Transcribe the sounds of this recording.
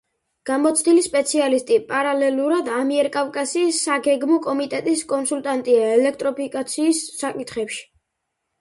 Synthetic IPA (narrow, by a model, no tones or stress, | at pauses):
ɡ̥amɔt̪sʰd̪ilispʼɛt̪sʰialist̪ʼipʼaɾalɛluɾad̪amiɛɾkʼavkʼasiːsːaɡɛɡmɔkʼɔmit̪ʼɛt̪ʼiskʼɔnsult̪ʼant̪ʼiaɛlɛk̚ʰt̪ʼɾɔpʰikʼat̪sʰiːsːakʼit̪ʰχɛpʃi̥